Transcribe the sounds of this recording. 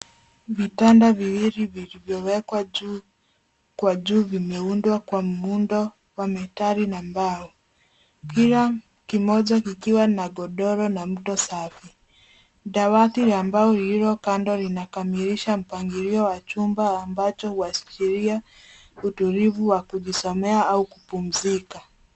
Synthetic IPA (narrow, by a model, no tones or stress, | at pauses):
vitandaviwiɾivilivjɔwɛkwau | kwaʄuːvimɛundwakwam̩undɔ | wamɛtaɾinambaɔ | kiɾa | kimɔʄakikiwanaɡɔɗɔɾɔnam̩ɗɔsafi | ɗawatiɾambaɔɾiɾɔkandɔlinakamiɾiʃam̩paŋɡiɾiɔwat͡ʃumbaːmbat͡ʃɔhuwast͡ʃiɾia | utuɾivuwakuʄisɔmɛaaukupum̩zika